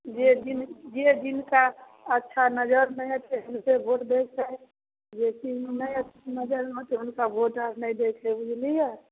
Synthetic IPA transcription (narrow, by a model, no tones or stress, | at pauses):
d͡ʒed̪ind͡ʒed̪inka | ətːʃʰanəd͡ʒəɾmẽt̪eɦəmsebʱoʈd̪eksəj | d͡ʒet͡ʃimməət̪nəd͡ʒəɾɦot̪eɦunkabʱoʈaɾnəjd̪ekʰebud͡ʒlija